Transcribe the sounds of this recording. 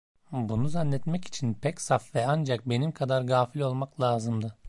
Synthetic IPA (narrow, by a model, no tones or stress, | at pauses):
bunuzanlːʲɛt̪mɛci̥t͡ʃʰinpʰɛcsafvɛand͡ʒak̚be̞nimkʰad̪aɾɡaːfilʲo̞lˠmaklˠaːzɯmd̪ɯ